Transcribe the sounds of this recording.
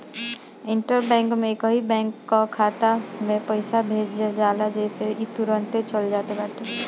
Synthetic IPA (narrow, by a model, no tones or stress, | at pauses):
iɳʈəɾbɛ̃ŋkmẽkəɦibɛ̃ŋkːɔkʰat̪amepəɪsabʱed͡ʒd͡ʒd͡ʒalad͡ʒəseit̪uɾənt̪et͡ʃəld͡ʒat̪ebaʈe